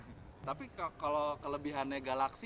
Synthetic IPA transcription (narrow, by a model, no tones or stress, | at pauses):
t̪apikkalokələbiɦaneɡalaks